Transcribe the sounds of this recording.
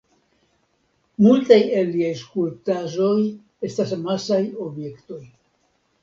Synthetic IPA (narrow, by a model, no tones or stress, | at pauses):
multajelːiajskultaʒo̞j | e̞stasmasajo̞bje̞kto̞j